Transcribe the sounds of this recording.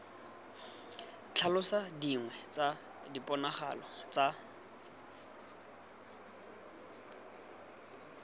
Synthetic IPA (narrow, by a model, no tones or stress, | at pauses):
t͡ɬʰalʊsadiŋwɛt͡sʼa | dipʼɔnaχa̰lɔt͡sʼa